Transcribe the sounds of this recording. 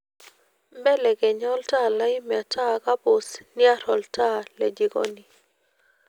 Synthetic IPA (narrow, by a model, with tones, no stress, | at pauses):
mbɛ˦lɛ˨ɡɛ˨ɲɔ˦lta˦˨la˦ɪ˦m˨a˨ta˦ka˦bo˨snɪ˦a˦ɾɔ˨lta˦le˨d͡ʒi˨ɡɔ̰˦ni˨